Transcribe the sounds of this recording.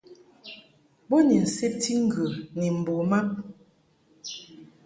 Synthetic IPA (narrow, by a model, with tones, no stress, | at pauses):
bo˦ni˨n̩˨se˦p̚ti˦ŋ̩˦ɡə˨ni˨m̩˨bo˨ma˦